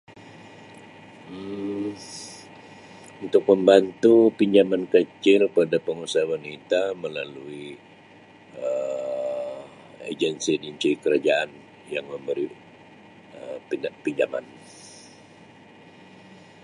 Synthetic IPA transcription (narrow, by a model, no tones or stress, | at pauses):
unt̪ʊk̚məmbant̪upiɲd͡ʒamankət͡ʃɪlpadapəŋusawanit̪aməlalui | ə | ḛd͡ʒənsidiɲt͡ʃikəɾad͡ʒaan | jaŋməmbəɾi | əpiɲd͡ʒama̰n